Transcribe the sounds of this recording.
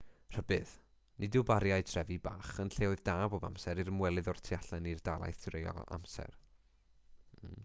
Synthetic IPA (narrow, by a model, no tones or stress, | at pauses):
r̥əbɨð | nʔɪdɪbaɾjaɨtʰrɛvibaːχənɬeːʊɨðdaːbɔba̰msɛɾirəmwɛlˠɨðɔrtʰiaɬɛnird̥alˠa̰jθrejɔ̰a̰msɛ̰r